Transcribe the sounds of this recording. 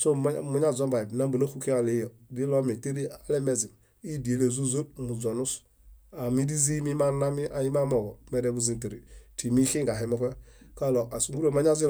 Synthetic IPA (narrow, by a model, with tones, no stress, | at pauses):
so˦˨mu˦ɲa˦˨zɔ˦ba˨i˨bna˦bu˨no˦xu˦ki˦a˨le˨˦jɔ˨di˦lɔ˦mi˨te˦ɾi˦a˨˦lɛ˦mɛ˨zi˨n | i˦di˨e˨le˨zu˦zo˦b̚mu˨zɔ˨nu˦s | a˨mi˦di˦zi˦mi˦ma˦na˦mi˦a˨ji˦ma˦mɔ˨ɡɔ˨mɛ˨dɛ˦bu˦zi˨n˨te˨ɾḭ˨ti˨mi˦xi˦ŋɡa˨ɦi˨mɔ˦pɛ˦ka˦lɔ˨a˨su˦ɡu˦o˦˨ma˦ɲ˦a˦zi˦